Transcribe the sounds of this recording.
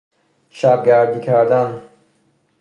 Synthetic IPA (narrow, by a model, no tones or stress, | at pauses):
ʃab̚ɡæɾd̪iːkʰæɾd̪an